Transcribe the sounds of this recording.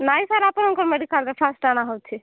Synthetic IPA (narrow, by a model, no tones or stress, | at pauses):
naisaɾapəɾɦɔ̃nkɔɾmeɖikalɾepʰasʈanaɦowt͡ʃʰi